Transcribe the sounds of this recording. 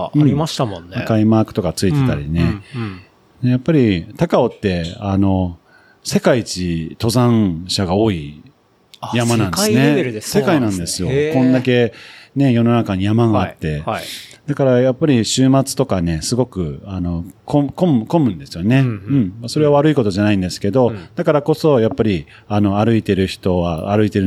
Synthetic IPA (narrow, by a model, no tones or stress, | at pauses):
ɯ̃imaɕt̪amõnːakaimaːkɯ̟̥t̪o̞kat͡sɨit̪e̞t̪a̰ɾʲine̞ | d̪e̞japːaɾʲit̪akao̞t̪ːe̞ano̞ | se̞kait͡ɕit̪o̞zãɕaɡao̞ːi | jamanãnsɨneɾɯd̪ese̞kainãnd̪e̞sɨjo̞kõ̞nd̪ake̞ne̞jo̞no̞nakaɲ̟ijamaɡaːt̪ːe̞d̪̥akaɾajapːaɾʲiɕɨːmat͡sɨ̥t̪o̞kane̞sɨɡo̞kɯ̟ano̞kʰoko̞mko̞mɯ̟̃nd̪e̞sɨjo̞ne̞ɯ̟̃ɴmaso̞ɾeβaβaɾɯiko̞t̪o̞ʑanaĩnd̪e̞sɨ̥ke̞d̪o̞d̪̥akaɾako̞so̞japːaɾʲi | ano̞aɾɯ̟it̪e̞ɾɯ̟çi̥t̪o̞βaaɾɯ̟it̪e̞ɾɯ̟